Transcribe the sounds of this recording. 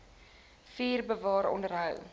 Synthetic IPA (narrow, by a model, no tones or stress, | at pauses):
fiːrbəvɑːɾɔ̰ndərɦəw